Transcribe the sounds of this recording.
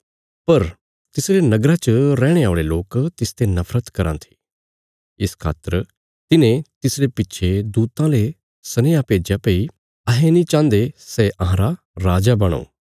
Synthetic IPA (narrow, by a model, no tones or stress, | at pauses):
pɐɾ | t̪ɪsɾenɐɡɾat͡ʃəɾɛ̃ːɽ̃eaːɭeloːkt̪ɪst̪enɐfɾət̪kɐɾã̰t̪ʰi̥ | ɪskʰa̰ːt̪əɾ | t̪ɪnẽt̪ɪsɾepɪtːʃʰed̪uːt̪ãle | sɐnejapeːd͡ʒjapeːi | ɐɦenĩt͡ʃãːnd̪esɛʔɐ̃ɦãːɾa | ɾaːd͡ʒabɐɽ̃o̰ː